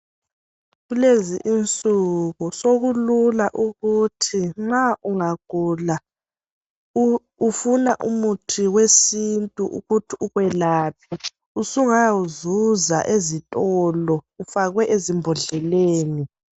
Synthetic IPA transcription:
ɣuleziʔint͡sʼuɣusoɣululaʔuɣutʰiŋ͡ǁaʔuŋaɡ̥ʱuːla | ufunaʔṵmutʰiwesintʼuʔṵɣutʰiuɣwɛlaːp̚ʰi | usuŋajauzuza̰ʔezitʼɔːlɔufaɣwɛʔezimbʱɔɮɛleːni

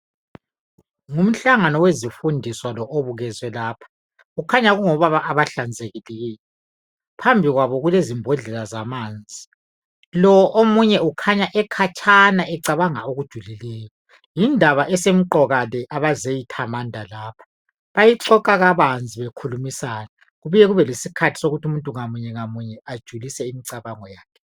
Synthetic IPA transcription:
ŋum̩ɬaŋanɔwezifundʱiswalɔʔoβuɣɛzwɛlaːpʰḁ | ukʰaɲaɣuŋɔβaβaʔːβaɬand͡zʱeɣileɣiːlɛ | pʰambʱiɣwaβɔɣulezimbʱɔɮɛlazamaːnd͡zʱi | lɔɔʔomuɲɛukʰaɲaʔɛkʰat͡ʃʰʼanaʔɛǀaβaŋa̰oɣud̥ʒ̥ʱulilɛːjɔ | jindʱaβaʔɛsem̩ǃɔɣalɛʔaβazejitʰamandʱalaːpʰḁ | βajiǀɔkʼaɣaβand͡zʱiβekʰulumisana | ɣuβujɛɣuβɛlesikʰatʰi̥soɣutʰumuntʼuŋamuɲɛŋamuɲɛad̥ʒ̥ʱulisɛimiǀaβaŋɔjaːkʰɛ

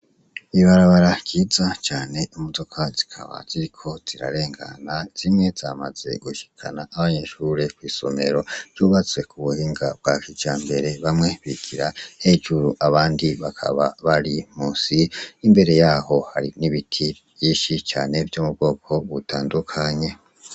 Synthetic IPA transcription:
iβaɾaβaɾakiːzat͡ʃaːne̞umudo̞kʰazi̥kʰa̰βa̰z̥iɾikʰo̞z̥iɾa̰ɾe̞ːŋɡa̰naz̥imŋe̞zamaz̥e̞̰ɡuʃi̥kʰa̰naʔːβaɲe̞ʃuːɾekwiːso̞̰me̞ɾo̞v̥juːβat͡swe̞kʰuβuhiːŋɡab̚ɡakid͡ʒ̥aːmbe̞ɾe̞βamŋe̞βiɡiɾahe̞d͡ʒuɾuʔaβaːndiβakʰa̰βa̰βaɾimuːsiːmbe̞ɾe̞jaːho̞haɾiniβitʰi | jiːʃit͡ʃa̰ːne̞vjoːmubɡo̞ːkʰo̞βutaːndukʰaɲe̞

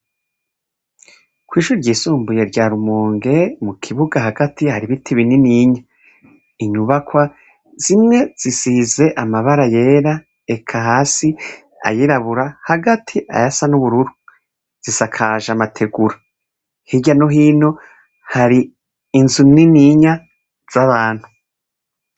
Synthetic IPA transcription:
kwiːʃuɾiɾɟiːsuːmbuje̞ɾɟaːɾumuːŋɡe̞mukʰiβuɡaɦaɡatihaɾiβitʰiβininiːɲa | iɲuβakwa | z̥imŋe̞z̥isize̞ʔamaβaɾaje̞ːɾa | ekʰaɦaːsi | a̰jiɾaβuɾahaɡatʰiʔa̰jasanuβuɾuɾu | z̥isakʰaʒamatʰe̞ɡuɾa | hiɟano̞ɦiːno̞ | haɾiː | nzuniniːɲa | z̥aβaːn̥hu

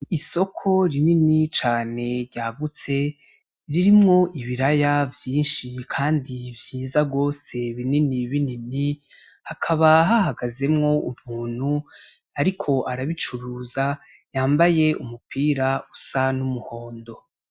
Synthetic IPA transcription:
iso̞kʰo̞ɾininit͡ʃaːne̞ɾɟaːɡut͡se̞ | ɾiɾimŋo̞ʔiβiɾajavjiːnʃikʰaːndivjiːzaɡo̞ːse̞βininiβinini | hakʰaβaɦahaɡaze̞mŋo̞ʔumuːn̥hu | aɾikʰo̞ʔaɾaβit͡ʃuɾuːza | jaːmbaje̞ʔumupʰiːɾausanumuho̞ːndo̞

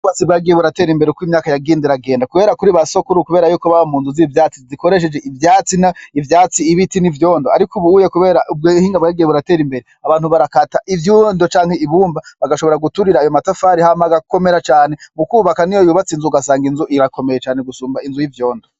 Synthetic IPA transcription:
uβat͡sibɡaɡijeβuɾate̞ɾimbeɾeukwimɲaːkajaɡiːndiɾaɡe̞ːndakuβe̞ːɾakuɾiβaso̞kuɾukuβeːɾajuːkoβaβamuːnzuzivjaːt͡siziko̞ɾe̞ʃ̬e̞d͡ʒeʔivjaːt͡sinaivjaːt͡siːβitinivjo̞ːndoa̰ɾikuβuujekuβe̞ːɾabɡhiːŋɡabɡaːɡijeβuɾate̞ːɾimbe̞ɾeaβaːnhuβaɾakataʔivjuːndo̞t͡ʃaːŋ̥he̞iβuːmbaβaɡaʃoo̞ɾaɡutuɾiɾaːjomatafaɾihamaɡako̞me̞ɾat͡ʃaːne̞mukuːβakanijojuːβat͡sinzuɡasaːŋɡinzuʔiɾakʰo̞me̞jet͡ʃaːne̞ɡusuːmbainzujivjo̞ːndo

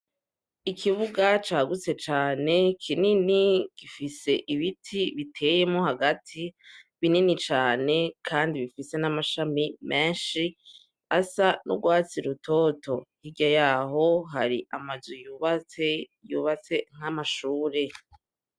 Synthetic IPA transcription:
ikʰiβuɡat͡ʃaːɡut͡se̞t͡ʃaːne̞kʰininiɡ̥ifise̞ʔiβitʰiβitʰe̞je̞moɦaɡatʰiβininit͡ʃaːne̞kʰaːndiβifise̞namaʃamimʔeːnʃi | asanṵɡwaːt͡siɾutʰotʰo̞hiɡajaːɦo̞ɦaɾiʔamazijuːβaejuβat͡se̞ŋ̥amaʃuːɾe̞

